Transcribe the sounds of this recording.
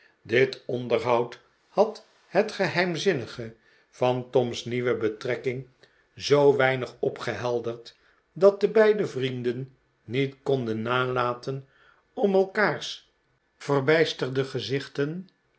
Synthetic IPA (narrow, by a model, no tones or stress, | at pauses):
dɪtɔndərɦɑwt | hɑt | hətχəɦɛjmzɪnəχə | fɑntɔmsniʋəbətrɛkɪŋ | zowʋɛjnəχɔpχəɦɛlˠdərt | dɑt̚dəbɛjdəvrindənː | itkɔndənːaːlaːtən | ɔmɛlˠkaːɹs | fərbɛjstərdəχəzɪχtən